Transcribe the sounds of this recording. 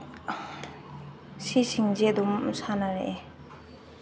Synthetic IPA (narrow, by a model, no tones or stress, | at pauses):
ɕʰiɕiŋd͡ʑed̪umsʰanaɹḛʔ